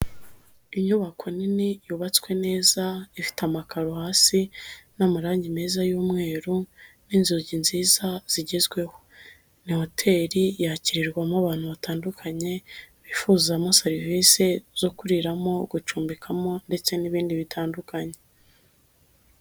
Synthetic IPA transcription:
iɲuβakʰo̞ninijuβat͡skwe̞ne̞ːzaifi̥tamakaɾohaːsinamuɾaːɲɟimeːzajuːmŋe̞ːɾuninzuɟinziːzaz̥iɟezɡwe̞ho̞̥ | niho̞tʰe̞ːɾijaciɾiɾɡwamaβaːn̥huβataːndukʰaɲe̞βifuːzamo̞seɾivisez̥o̞kuɾiɾamo̞ɡut͡ʃuːmbikʰamo̞nde̞t͡se̞niβiːndiβitʰaːndukaɲe

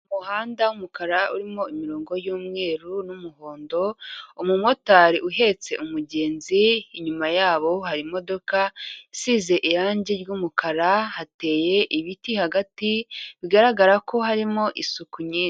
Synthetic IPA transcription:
umuhaːndaumukaɾauɾimo̞imiɾoːŋɡo̞juːmŋe̞ːɾunumuhoːndo̞umumo̞taɾiʔuɦe̞t͡se̞̰ʔumuɟe̞ːnziːɲumajaːβo̞haɾimo̞do̞kasize̞ʔiɾaːɲɟeɾɟumukʰaɾahate̞ːje̞ʔiβitihaɡatiβiɡaɾaɡaɾako̞ɦaɾimo̞ʔisukuɲe

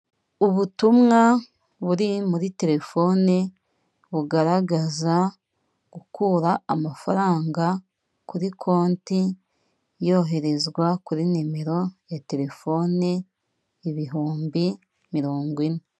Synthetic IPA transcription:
uβutumŋa | βuɾimuɾite̞ɾe̞fo̞ːni | βuɡaɾaɡaza | ɡ̥ukuːɾaːmafaɾaːŋɡa | kuɾikʰo̞ːnti | jo̞ɦe̞ɾe̞zɡwakuɾinime̞ɾo̞jate̞ɾe̞fo̞ːniː | βiɦuːmbi | miɾo̞ːŋɡwine

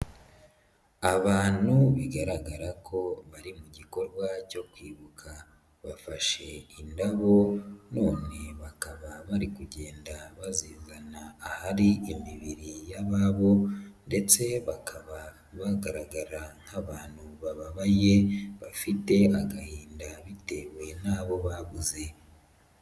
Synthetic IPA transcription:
aβaːn̥huβiɡaɾaɡaɾakʰo̞βaɾimuɟiko̞ɾɡwaco̞kwiːβukʰa | βafaʃe̞indaβo̞noːne̞βakaβaβaɾikuɟe̞ːndaβazizanaːhaɾiimiβiɾijaβaβo̞nde̞t͡se̞βakʰaβa | βaɡaɾaɡaɾaŋ̥haβaːn̥huβaβaβaje̞βafite̞aɡahiːndaβite̞we̞naːβo̞βaβuze̞

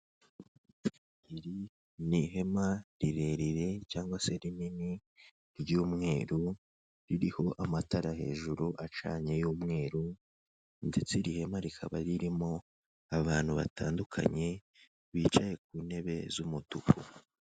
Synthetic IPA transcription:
iɾi | niɦe̞maɾiɾe̞ɾiɾe̞caːŋɡwase̞ɾinini | ɾɟuːmŋe̞ːɾu | ɾiɾiho̞ʔamataɾahe̞̰ːʒuɾuʔat͡ʃa̰ːɲejuːmŋe̞ːɾu | nde̞t͡siɾihe̞maɾikʰaβaɾiɾimo̞ | aβaːn̥huβa̰taːndukʰa̰ɲe̞ | βiːt͡ʃaje̞k̚uːne̞βe̞zumutukʰu

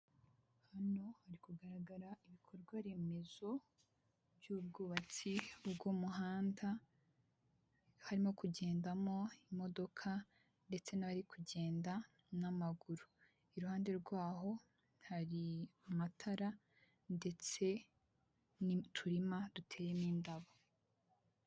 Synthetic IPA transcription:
hano̞haɾikuɡaɾaɡaɾaiβikʰo̞ɾɡwaɾemezo̞ | bjub̚ɡuːβat͡siubɡomuɦaːnda | haɾimo̞kuɟe̞ːndamo̞imo̞do̞kʰa | nde̞t͡se̞naβaɾikuɟe̞ːnda | namaɡuɾu | iɾuhaːnde̞ɾɡwaːɦo̞ | haɾiamatʰaɾa | nde̞t͡se̞ | nitʰuɾimadutʰe̞jeniːndaβo

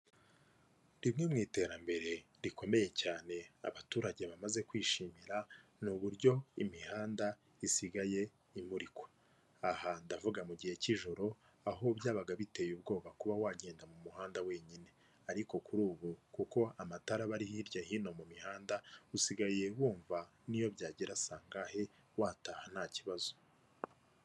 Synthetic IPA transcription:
ɾimŋemŋiːte̞ːɾambe̞ɾe̞ | ɾiko̞me̞je̞caːne̞a̰βatuːɾaɟeβamaze̞kwiːʃiːmiɾanuβuɾɟo̞imihaːnda | isiɡaje̞ | imuɾikwḁ | ahandavuɡamuɟihe̞ciʒo̞ɾo̞ | aɦo̞bjaːβaɡaβite̞jub̚ɡo̞ːβakuβawaːɟe̞ːndamumuhaːndawe̞ːɲine̞ | aɾiko̞kuɾuːβukuko̞amataɾaβaɾihiɾɟahino̞mumihaːndausiɡaijewuːɱva | nijo̞βɟaːɟeɾasaːŋɡahe̞ | waːtaːhan̥haːciβazo̥

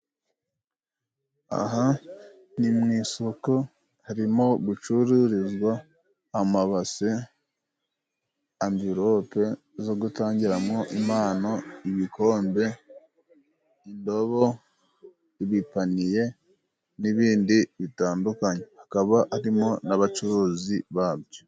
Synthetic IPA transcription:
a̰ɦa | nimŋiːsoku | haɾimo̞ɡut͡ʃuɾuɾizɡwaː | maβase | ambiɾope̞ | zo̞ɡutaːɲɟiɾamŋo̞ʔimaːnoiβikʰo̞ːmbe̞ | indo̞βo | iβipanije̞ | niβiːndiβitaːndukaɲehakaβahaɾimo̞naβat͡ʃuɾuːziβaːβjo

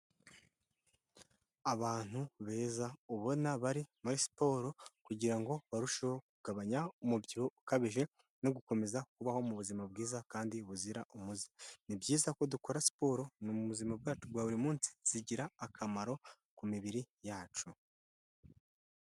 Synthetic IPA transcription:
aβaːn̥huβe̞ːzauβo̞naβaɾimuɾisi̥po̞ːɾo̞kuɟiɾaŋɡo̞βaɾuʃawokuɡ̥aβaɲaumubɟiɾoukaβiʒe̞ | noɡuko̞me̞zakuβaho̞muβuzimab̚ɡiːzakaːndiβuziɾaʔumuzinibjiːzako̞duko̞ɾasi̥po̞ːɾo̞nomuβuzimab̚ɡaːt͡ʃuɡwaːβuɾimuːnsi̥z̥iɟiɾaːkʰamaɾo̞ | kumiβiɾijaːt͡ʃu

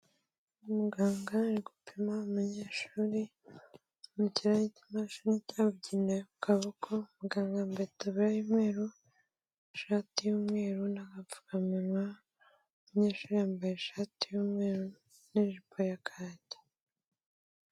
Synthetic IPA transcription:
umuɡaːŋɡaɾiɡu̥pʰimaumaɲeːʃuːɾi | muciɾajicimaʃanicaβɟineukʰaβokʰoumuɡaːŋɡambaitaβiɾajimweːɾu | ʃatijuːmŋeːɾunaɡafu̥kamima | maɲeːʃuːɾijambajeʃatijumŋeːɾu | neʒipʰojakʰaɟḁ

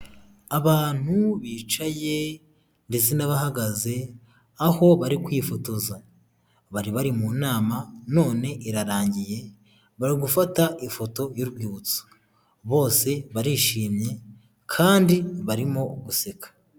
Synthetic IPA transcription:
aβaːn̥huβiːt͡ʃaje̞ | nde̞t͡se̞naβaɦaɡaze̞ | aho̞βaɾikwifotoza | βaɾiβaɾimunaːmano̞ːne̞ʔiɾaɾaːɲɟije̞ | βaɾiɡufataʔifo̞to̞juɾuɡut͡so̥ | βo̞ːse̞βaɾiʃiːmɲe̞ | kʰaːndiβaɾimo̞ɡusekʰḁ

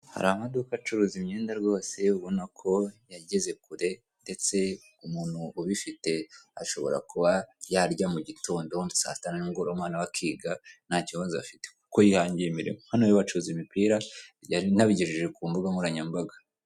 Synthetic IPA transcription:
ha̰ɾamadukat͡ʃuɾuzimɲeːndaɾɡo̞ːse̞uβonakʰo̞jaɟe̞ze̞kuɾe̞ | nde̞t͡se̞ | umuːn̥huːβifite̞a̰ʃo̞̰βo̰ɾa̰kuβajaɾɟamuɟitoːndonisa̰ːstananiŋɡoɾoumŋaːnawakʰiːɡan̥haːcuβazoa̰fite̥kukojihaːɲɟiemiɾḭmohanojoβat͡ʃuuzimipiːɾaaɾinaβiɟiʒiʒe̞kuːmbaɡaŋoɾaɲambaɡa

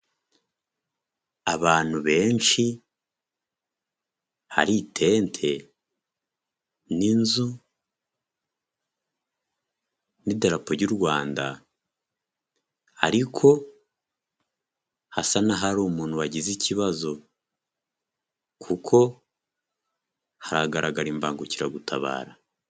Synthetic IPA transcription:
aβaːn̥huβe̞ːnʃi | ha̰ɾitʰe̞ːntʰe̞ | ninzu | nidaɾapoɾɟuɾɡwaːnda̰ | aɾikʰo̞ | hasanaɦaɾuːmuːn̥huwaɟizicʰiβazo̞ | kʰukʰo̞ | haɾaɡaɾʔaɡaɾiːmbaːŋɡuciɾaɡutʰaβa̰ːɾa

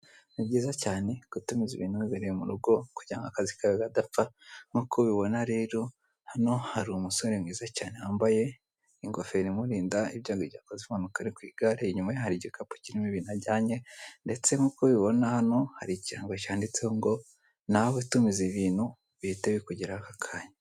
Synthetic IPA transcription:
nibɟiːzacaːne̞kutumiziβḭːnhuβiβiɾejmuɾuɡo̞kuɟaːŋɡakazikaβeɡadafaŋukoβiβo̞naɾeɾo | hano̞haɾumusoɾemŋiːzacaːnehaːmbaje̞ | iŋɡofenimuɾiːndaiβjaɡiɟaːkozimanukaɾikwiːɡ̥aɾeɲumajahaɾiɟikapo̥ciɾimiβiːnaɟaːɲende̞t͡se̞ŋukoβiβo̞nahano̞haɾiciɾaːŋɡecaːndit͡seoŋɡo | naβitumiziβiːnhu | βiteβikuɟiɾahkakʰaːɲa

